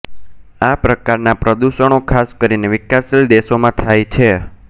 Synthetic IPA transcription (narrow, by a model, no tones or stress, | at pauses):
apɾəkaɾnapɾəd̪uʃəɳ̃okʰaskəɾineʋɪkasild̪eʃomãt̪ʰajt͡ʃʰe